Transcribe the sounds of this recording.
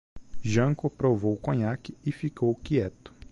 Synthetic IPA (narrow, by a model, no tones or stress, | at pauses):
ʒɐ̃ŋkʊpɾovowkõɲakɪɪfikowkiɛt̪ʊ̥